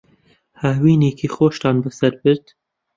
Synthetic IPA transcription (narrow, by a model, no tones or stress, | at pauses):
hawiːneːkʰiːxoːʃt̪ɑːnbɨsɐɾbɨɾd̪̥